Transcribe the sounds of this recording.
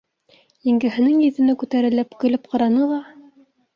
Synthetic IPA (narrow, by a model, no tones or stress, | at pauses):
jĭŋɡɘ̆ɦɘ̆nɘŋjɘ̆ðɘ̆nækʉt̪æɾɘ̆lːæpkɵ̆lɘp̚qɤ̆ɾɑnɤlˠɑ